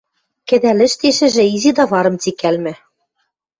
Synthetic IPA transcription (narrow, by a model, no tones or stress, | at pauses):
kɘ̆d̪ælɘ̆ʃt̪eʃɘ̆ʒɘ̆izid̪ɑβɑɾɤ̆mt͡sikælmɘ̆